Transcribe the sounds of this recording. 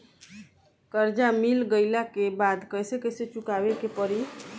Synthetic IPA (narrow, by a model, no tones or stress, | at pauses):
kəɾd͡ʒamilɡəɪlakebad̪kəjsekəjset͡ʃukabekepəɾi